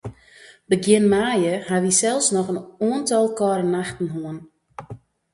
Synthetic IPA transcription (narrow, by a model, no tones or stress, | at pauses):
bəɡjɪnmaːjəhaʋisɛlˠsnɔxənuəntɔlˠkɔɾənːaxtn̩ɦoən